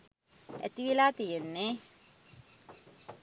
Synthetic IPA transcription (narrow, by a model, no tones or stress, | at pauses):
æ̰t̪iʋilaːt̪ijenːe